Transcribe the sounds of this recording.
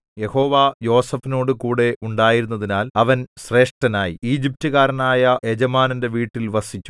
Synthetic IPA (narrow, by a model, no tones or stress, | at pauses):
je̞ho̞ːʋaːjo̞ːsɐfino̞ːɽɨkuːɽe̞ʔuɳɖaːjiɾunːɐðinaːlɐʋɐnɕre̞ːʂʈɐnaːjiiːd͡ʑip̚tuɣaːɾɐnaːjɐʔed͡ʑɐmaːnɐnde̞ʋiːʈːilʋɐsit͡ɕʲːu̥